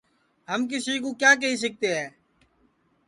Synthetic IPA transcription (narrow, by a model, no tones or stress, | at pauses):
ɦəmk̬ɪsiːk̬oːkjaːk̬əɦiːs̬ək̚t̪eːɦɛː